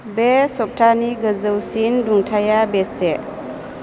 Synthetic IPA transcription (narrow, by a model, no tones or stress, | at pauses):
besɔp̚tʰaniɡəzəwsinduŋtʰajabese